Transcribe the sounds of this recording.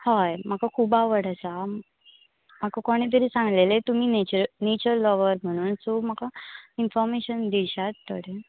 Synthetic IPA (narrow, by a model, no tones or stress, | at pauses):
hajm̤akakʰuːbaʋəɽasa | m̤akakoɽ̃ẽt̪̬əɾiːsãŋɡlelet̪umiːnet͡ɕəɾnet͡ɕəɾlɔʋəɾm̤əɽ̃uːnsom̤akainfɔɾmeɕənd̪iɕat̪ːəɽe